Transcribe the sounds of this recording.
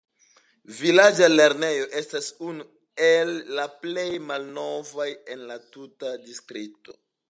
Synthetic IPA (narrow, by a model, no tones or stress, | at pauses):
vilad͡ʒale̞ɾne̞jo̞ʔe̞stasunu | elːaple̞jmalno̞vaje̞nlatutadistɾip̚to̞̰